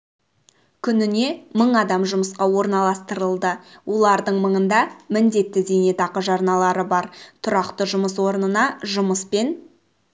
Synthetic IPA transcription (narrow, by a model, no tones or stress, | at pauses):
kʲʰʏnɪne̞məɴɑd̪ɑmʒʊməsqɑwo̞ɾnɑlˠɑst̪əɾəlˠd̪əwʔo̞lˠɑɾd̪əɴməɴənd̪ɑmɪnd̪e̞t̪ːɪd̪e̞ne̞t̪ʰɑqəʒɑɾnɑlˠɑɾəbɑɾt̪ʰʊɾɑqt̪əʒʊməswo̞ɾnənɑʒʊməspe̞n